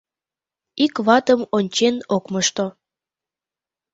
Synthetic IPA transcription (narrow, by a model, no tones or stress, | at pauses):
ikβɑt̪əmonʲt͡ɕenokməʃt̪o